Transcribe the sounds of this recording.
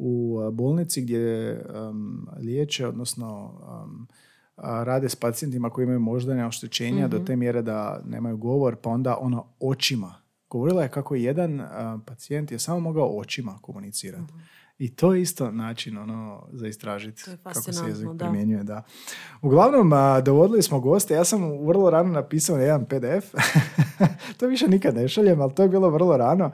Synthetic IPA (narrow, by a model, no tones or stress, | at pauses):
ubo̞ːlˠnit̪siɡd̪je | ljeːt͡ʃeo̞d̪nosno̞ | ɾaːd̪espat̪ije̞nt̪imako̞iimajumo̞ʒd̪aneo̞ʃt̪ot͡ɕe̞ːɲad̪o̞t̪e̞ːmje̞ɾe̞d̪anḛːmajuɡo̞ʋo̞ɾpao̞nd̪aʔo̞nao̞t͡ʃima | ɡ̥oʋo̞ɾilˠaje̞kakoje̞d̪anpat̪sie̞nt̪je̞saːmo̞mo̞ɡaoʔo̞t͡ʃimako̞munit̪siːɾat̪ | it̪o̞ːjeist̪o̞naːt͡ʃino̞nozaist̪ɾaːʒit̪kʰakosejezikpɾimje̞ɲuje̞d̪auɡlˠaʋno̞md̪o̞ʋo̞d̪ilismoɡo̞ːst̪ejaːsamʋr̩lˠoɾaːnonapiːsaonjed̪anpe̞d̪eef | t̪oʋiʃenikad̪ne̞ʃaʎemalˠt̪oje̞biːlˠoʋr̩lˠoɾaːno̞